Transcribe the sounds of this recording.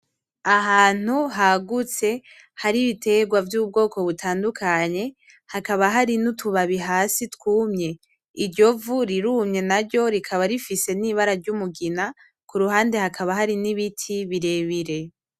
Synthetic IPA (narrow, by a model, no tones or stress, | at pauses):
aɦaːn̥huɦaɡut͡se̞ | haɾiβitʰe̞ɡwavjuːb̚ɡo̞ːko̞βutʰaːndukʰaɲe̞ | hakaβaɦaɾinutʰuβaβiɦaːsitkuːmɲe̞ | iɾɟo̞vuɾiɾuːmɲe̞naɾɟo̞ɾikʰaβaɾifise̞niβaɾaɾɟumuɡina | kuɾuɦaːnde̞hakʰaβaɦaɾiniβitʰiβiɾe̞ːβiɾe̞